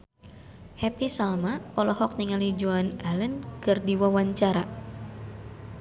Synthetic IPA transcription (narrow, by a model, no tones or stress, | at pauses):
hɛpisalmakɔlɔhɔk̚niŋalid͡ʒuanalənkɨrdiwawaɲt͡ʃaɾa